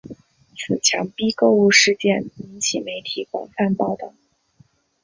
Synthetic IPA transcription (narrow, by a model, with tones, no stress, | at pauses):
t͡sʰɹ̩˨˩t͡ɕʰjɑ˧˥ŋpi˥ko˥˧ʊu˥˧ʂɻ̩˥˧t͡ɕjɛ˥˩ni˧˥nt͡ɕʰi˨˩me˧˥ɪt̪ʰi˨˩˦kwɑ̰˨˩ŋfa˥˧npɑ˥˧ʊt̪ɤ˨˩˦ŋ